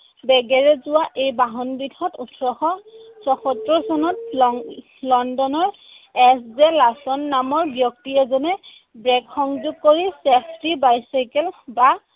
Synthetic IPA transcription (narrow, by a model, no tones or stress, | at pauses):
bɛɡɛɹɛzʊwaʔejbaɦɔnbidʱɔtutʰɹɔxɔsɔxɔtɹɔsɔnɔt̚ | lɔndɔnɔɹ | ɛszɛlasɔnːamɔɹbjɔk̚tiɛzɔnɛ | bɹɛkxɔŋzuɡ̚koɹisepʰtibajsajkɛlba